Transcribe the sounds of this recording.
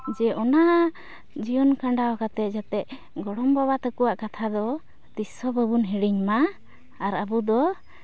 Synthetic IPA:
d͡ʒɛʔɔna | d͡ʒijɔnkaɳɖaɔkat̪ɛd͡ʒat̪ɛ | ɡɔɽɔmbaβat̪əkuwaʔkat̪ʰad̪ɔ | t̪isɔbəbunɦiɽiɲmaː | ɾabud̪ɔ

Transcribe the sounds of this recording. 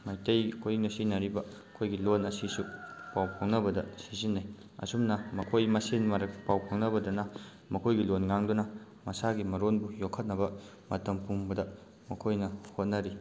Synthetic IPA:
majtejkʰojiŋnɐsinɐɾibɐɐkʰojɡilonɐsisupawpʰoŋnɐbɐdɐsizinːaj | ɐ̰sumnɐmɐkʰojmɐsinmɐɾɐkpawpʰoŋnɐbɐdɐnɐ | mɐkʰojɡilonŋaŋdunɐ | mɐsaɡimɐɾonbujokʰːɐt̚nɐbɐ | mɐtɐmpumbɐdɐ | mɐkʰojnɐhot̚nɐɾi

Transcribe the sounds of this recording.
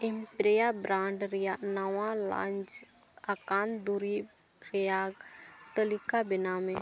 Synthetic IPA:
ɪmpɾejabɾãːɳɖɾɪjanəwãlã̰ːɲt͡ʃ | akaːnd̪uɾi | ɾɪjaːɡt̪əlɪkabɪnamẽ

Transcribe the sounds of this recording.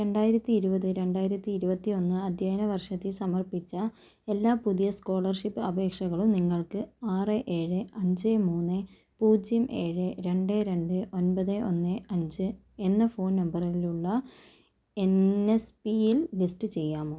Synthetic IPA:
ɾe̞ɳɖaːjiɾɐt̪ːiːɾubɐðɨɾe̞ɳɖaːjiɾɐt̪ːiːɾubɐt̪ːio̞nːɨɐd̪ʱjaːjɐnɐʋɐrʂɐt̪ːisɐmɐrpit͡ɕːɐ | e̞lːaːpuðijɐsko̞ːɭɐrʂipːɨɐbʱe̞ːkʂɐɣɐɭumniŋːɐɭkɨaːrɨʔeːɻɨɐɲd͡ʑemuːnːɨ | puːd͡ʑjɐmʔe̞ːɻɨɾe̞ɳɖeɾe̞ɳɖɨʔo̞nbɐðɨʔo̞nːɨɐɲd͡ʑɨ | enːɐfo̞ːnnɐmbɐriluɭːɐ | enespijillisʈɨt͡ɕe̞jːaːmo

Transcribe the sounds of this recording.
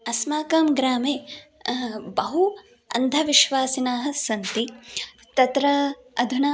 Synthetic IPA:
ɐsmaːkɐːmɡɾaːmeː | bɐɦu | ɐ̰nd̪ʱɐʋiʃʋaːsinaːɦɐ̆sɐnt̪i | t̪ɐt̪ɾɐ | ɐd̪ʱunɐ

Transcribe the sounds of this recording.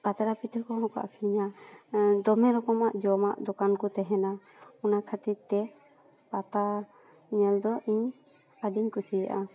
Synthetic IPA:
kat̪aɾapit̪ʰɔkɔɦɔ̃ka̰ʔkʰiniɲa | d̪ɔmɛɾɔkɔmaʔd͡ʒɔma̰ʔd̪ɔkankɔt̪ɛɦɛna | ɔnakʰət̪iɾt̪ɛ | pat̪a | ɲɛld̪ɔʔiɲ | aɖiɲkusijaʔa

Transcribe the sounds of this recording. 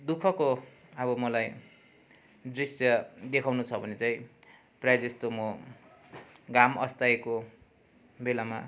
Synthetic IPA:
d̪ukʰʌko | ʌβʌmʌlaj | d̪risjʌd̪ekʰawnut͡sʰʌbʱʌnet͡saĩ | prʌjad͡zest̪omʌ | ɡamʌst̪aeko | belama̰

